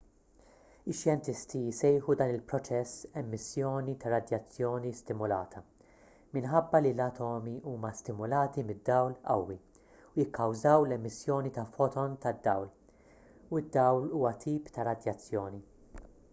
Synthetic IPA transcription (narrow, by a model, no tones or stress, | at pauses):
ɪʃːjɛnt̪ɪst̪ijɪsɛjħud̪ɐːnɪlpɾɔt͡ʃɛsːɛmːɪsːjɔːnit̪ɐɾɐd̪jɐt͡sːjɔːnist̪ɪmʊlɐːt̪ʰɐ | mɪnħɐbːɐlilɐt̪ʰɔːmiʔuːmɐst̪ɪmʊlɐːt̪imɪd̪ːɐwlɐ̰wːi | ujɪkʰːɐwzɐwlɛmːɪsːjɔːnit̪ɐfɔt̪ɔnt̪ɐd̪ːɐwl | uɪd̪ːɐwluːwɐt̪ʰiːpt̪ɐɾɐd̪jɐt͡sːjɔːni